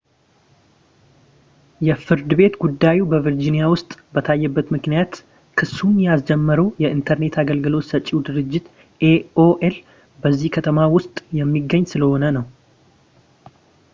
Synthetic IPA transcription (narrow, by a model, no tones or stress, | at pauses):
jɛfɨɾd̪ɨβe̞t̪ɡud̪ːajubəvəɾd͡ʒinijawʊst̪ʼbət̪ʰajːɛbːət̪mɨknijat̪ | kʰɨsːunjasd͡ʒɛmːəɾəwjɛɨnt̪ʰəɾne̞t̪ʰaɡəlɡɨlo̞t̪sət͡ʃʼːiwud̪ɨɾɨd͡ʒːɪt̪ | ʔeoʔel | bəzːihkʰət̪ʰəmawʊst̪ʼjɛmːiɡːəɲːsɨləho̞nənəw